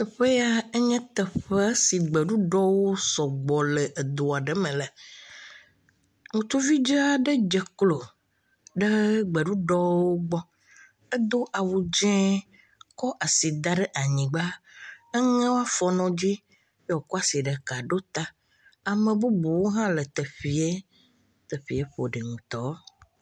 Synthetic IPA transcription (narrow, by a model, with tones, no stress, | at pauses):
ə˨ɸe˦ja˦e˦ɲɛ̃˦t̪ə˨ɸɛ˦si˨ɡ͡bə˨ɖu˦ɖɔ˦wo˦sɔ˨ɡ͡bɔ˨lɛ˨ʔe˨d̪o˨a˨ɖə˦mɛ̃˨lɛ˨ | ŋũ˨t̪u˦vi˦d͡ʒə˦a˨ɖə˦d͡ʒɛ˨klo˨ | ɖə˦ɡ͡bə˨ɖu˦ɖɔ˦wo˦ɡ͡bɔ˦ | ə˦d̪o˦ʔa˨wu˨d͡ʒɛ̃˦ | kɔ˦ʔa˨si˨d̪a˦ɖe˦ʔa˨ɲĩ˨ɡ͡ba˦e˦ŋẽ˦wo˦a˦fɔ˨nɔ̃˨d͡ʑi˦ | jwo˨kɔ˦a˦si˨ɖə˨ka˨ɖo˦t̪a˦ | a˨mẽ˨bu˦bu˨wo˦ɦã˦lə˨t̪ə˨ɸi˨e˦ | t̪ə˨ɸi˨e˦ɸo˨ɖɛ˨ŋũ˨t̪ɔ˦